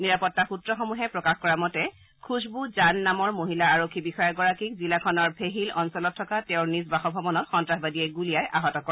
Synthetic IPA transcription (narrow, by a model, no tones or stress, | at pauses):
niɹapɔtːaxutɹɔxɔmuɦɛpɹɔkaxkɔɹamɔtɛ | kʰusbuzanːamɔɹmoɦilaaɹokʰːibixɔjɔɡɔɹakik̚zilakʰɔnɔɹbʱeɦilɔnsɔlɔtʰːɔkatɛʊɹnisbaxɔbʱɔbɔnɔtxɔntɹaxbadiɛɡulijajʔaɦɔtɔkɔ